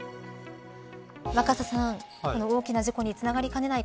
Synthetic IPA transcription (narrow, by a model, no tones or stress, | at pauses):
βakasasãŋ | ko̞no̞oːkʲinaʑiko̞ɲ̟it͡sɨnaɡaɾʲikane̞nai